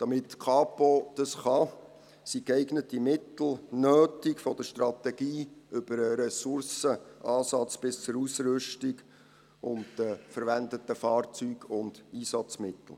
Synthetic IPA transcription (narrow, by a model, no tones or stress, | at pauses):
d̥ɑmɪtːkʰɑːpod̥ɑsχɑ | sikɛɪɡnətimɪtl̩ˠnøːtikfɔd̥̪əʃtrɑt̪ɛɡiːʏb̥əɾəɾɛsʊrsəʔɑːsɑt͡sb̥ɪst͡sʊɾusɾʏʃtiɡ | ʊnddəfəɾʋændətəfɑːrt͡syːɡʊnd̥iːsɑt͡smɪt̪l̩ˠ